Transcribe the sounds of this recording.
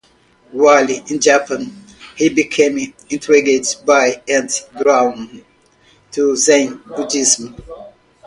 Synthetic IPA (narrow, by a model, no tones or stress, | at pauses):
waliʔɪ̃nd͡ʒapə̃n | hibikʰẽm | ĩntʰɹiɡedbaɪɛ̃ntdɹãn | tʰuzẽnbudizm